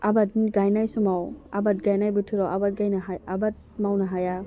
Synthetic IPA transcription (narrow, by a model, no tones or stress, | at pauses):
abatnɡajnajsumawa̰bat̚ɡajnajbutʰuɾawabat̚ɡajnaɦajabat̚mawnaɦaja